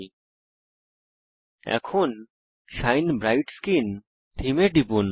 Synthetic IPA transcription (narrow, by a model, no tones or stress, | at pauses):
ɛ̰kʰoːn | ʃaːɪnbɾaːɪʈskiːn | t̪ʰimeɖipuːn